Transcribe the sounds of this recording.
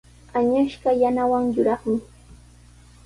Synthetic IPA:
aɲaʃɢɑjanawaŋjʊɾɑχmɪ

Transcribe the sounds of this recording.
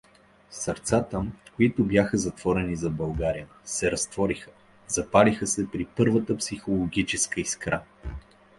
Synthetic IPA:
səɾt̪sat̪əkoit̪ʊbjaxəzɐt̪v̥ɔɾɛnizɐbɐlˠɡaɾijə | sɛɾɐst̪vɔɾixə̥ | zɐpalixəsɛpɾipɤɾvət̪əpsixolˠoɡʲit͡ʃɛskəiskɾa

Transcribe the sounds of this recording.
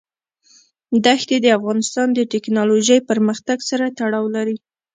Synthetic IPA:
d̪axt̪ed̪əafɣɑnɪst̪ɑnd̪əʈɪknɑloʒəjpəɾməxt̪aɡsaɾat̪aɽɑwlaɾi

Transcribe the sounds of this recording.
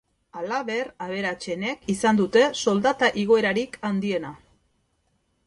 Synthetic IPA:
alaβe̞raβ̞e̞ɾat͡ʃe̞ne̞kisand̪ut̪e̞so̞ld̪at̪aʔiɣ̞o̞e̞ɾaɾikand̪ie̞na

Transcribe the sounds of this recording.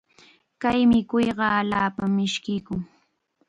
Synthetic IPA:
kajmɪkʊjɢɑːlaːpamːɪʃkɪjkʊŋ

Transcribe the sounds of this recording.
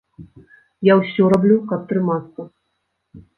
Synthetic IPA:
jawsʲɔrablʲukɐp̚t̪ɾɨmat̪sːɐ

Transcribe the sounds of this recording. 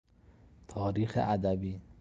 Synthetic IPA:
t̪ʰɒːɾiːxḛʔæd̪æbiː

